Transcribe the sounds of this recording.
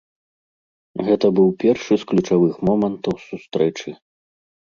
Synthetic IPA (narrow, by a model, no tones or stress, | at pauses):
ɣɛt̪ɐbɨwpʲɛrʂɨsklʲut͡ʂavɨxmɔmɐnt̪ɐwsust̪ɾɛt͡ʂɨ